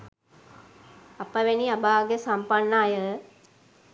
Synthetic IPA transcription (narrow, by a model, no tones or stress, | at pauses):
apəʋeniabaːɡesampanːaːjə